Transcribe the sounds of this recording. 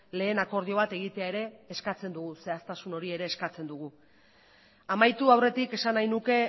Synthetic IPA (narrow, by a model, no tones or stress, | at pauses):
le̞ːnako̞ɾðio̞βat̪e̞ɣ̞it̪eae̞ɾe̞ːskat͡se̞nd̪uɣuse̞ast̪asuno̞ɾie̞ɾe̞ːskat͡se̞nd̪uɣ̞u | amajt̪uawre̞t̪ike̞sanajnuke̞